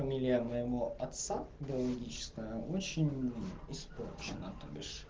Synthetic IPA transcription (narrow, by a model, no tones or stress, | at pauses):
ɐmʲilʲɪjəmɐjɪvoɐt̪saɡʲɪɐlˠɐɡʲit͡ɕɪ̥skəjəʔot͡ɕɪnʲɪsporʲt͡ʃɪnət̪ɨbʲɪʂ